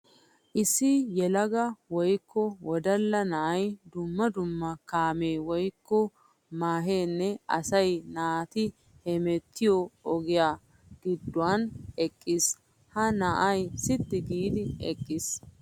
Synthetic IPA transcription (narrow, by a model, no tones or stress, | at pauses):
ʔɪsːɪjɛlɐɡɐwɔjkʰːɔwɔd̪ɐlːɐnɐʔɐjd̪ʊmːɐd̪ʊmːɐkaːme̞ːwɔjkːɔ | maːɦe̞ːnːɛɐsɐjnaːt̪ɪ | hɛmɛt̪ːɪjɔɔɡɪjaː | ɡ̥ɪd̪ːʊaːnɛkʼːɪs | hɐnɐʔɐjsɪt̪ːɪɡiːd̪ɪɛkʼːɪs